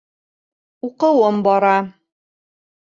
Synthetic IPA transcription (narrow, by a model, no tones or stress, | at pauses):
uqɤ̆wɤmbɒɾɑ